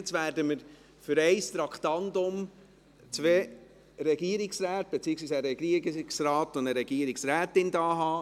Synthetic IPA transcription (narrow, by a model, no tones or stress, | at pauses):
t͡sʋæːɾdəməɾ | fʏɾɛɪst̪ɾɑkχt̪ɑntʊm | t͡sʋeː | ɾɛɡiəɾɪksɾæːt̪̚b̥et͡siːəksʋiːsæɾɛɡ̥iksrɑːtʊndəɾɛɡ̥iːəɾɪksɾæːtɪndɑːɦɑː